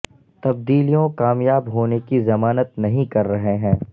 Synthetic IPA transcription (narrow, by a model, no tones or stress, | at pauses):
t̪ɐb̚d̪iːlijõkaːmjaːbɦoːnekizɐmaːnət̪nɐɦĩkɐɾːɐɦeɦɛ̃ː